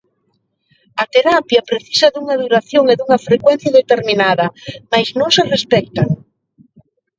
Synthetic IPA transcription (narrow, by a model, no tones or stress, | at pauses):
ɐt̪eɾapjɐpɾeθi̥sɐðuŋɐðuɾaθjoŋeðuŋɐfɾekwɛn̟θjɐðet̪eɾmĩnaðɐmajznõŋserespɛk̚t̪aŋ